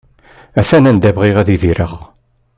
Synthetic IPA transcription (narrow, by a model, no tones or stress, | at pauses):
æθænænd̪ævʁɪʁæðiðiɾəʁ